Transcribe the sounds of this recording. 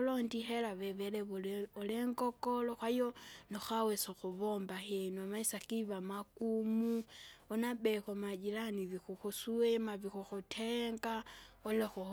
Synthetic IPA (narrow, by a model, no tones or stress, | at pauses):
londixelaβeβeleβuoleŋɡokoloxwajonoxawesoxuβombaxenwamaisakiβamakumuonabekomad͡ʒilaniβixuxusuemaβixuxutʰeŋɡaolexu